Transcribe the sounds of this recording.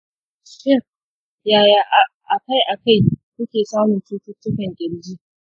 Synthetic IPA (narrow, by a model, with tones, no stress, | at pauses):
ʃɪ˦r | jaː˨jaː˨ʔa˨ʔa˨ka˦jʔa˨ka˦˨jkʷʊ˦kʲeː˨saː˦mʊ˨nt͡ʃuː˦tʊ˦tːʊ˦kɐ˨ŋɡʲɪ˨ɽd͡ʒiː˦